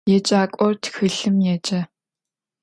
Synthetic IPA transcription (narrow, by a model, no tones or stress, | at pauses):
jɛt͡ʃʼaːkʷʼɔrtʰxɨɬɨmjɛt͡ʃʼɐ